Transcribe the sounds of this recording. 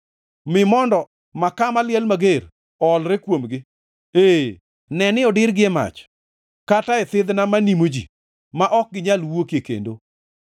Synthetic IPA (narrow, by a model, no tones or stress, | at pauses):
mɪmɔndɔ | makamaljɛlmaɡeɾ | ɔlɾekwomɡɪ | e | nɛnɪɔdɪɾɡɪɛma̰t͡ʃ | kataɪt̪ɪd̪namanimod͡ʒḭ | maʔɔk̚ɡɪɲalwokjekḛndo